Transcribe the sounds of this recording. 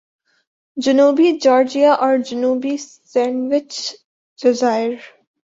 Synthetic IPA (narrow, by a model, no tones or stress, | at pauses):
d͡ʒənuːbid͡ʒɔːɾd͡ʒiaʔɔːɾd͡ʒənuːbis | ɛ̃ːnɖʋɪt͡ʃ | ɖ̥ɪzaɪəɾ